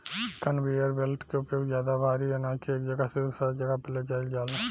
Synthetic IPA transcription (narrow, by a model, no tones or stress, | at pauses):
kɐnʋeːjəɾbelʈkeʊpjoːɡzjaːd̪abʱaːɾiɛnãːkieːkd͡ʒɐɡasɪsɐd͡ʒɐɡapɛled͡ʒaːɪld͡ʒaːla